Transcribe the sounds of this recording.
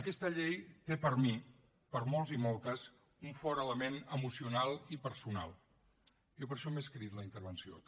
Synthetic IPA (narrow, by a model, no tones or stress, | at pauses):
əkɛst̪əʎejt̪epəɾmi | pəɾmolˠzimolˠt̪əs | uɱfɔɾələmenəmusiunalˠipəɾsuna̰lˠ | jopəɾʃɔmeskɾit̪ləint̪əɾβənsio̰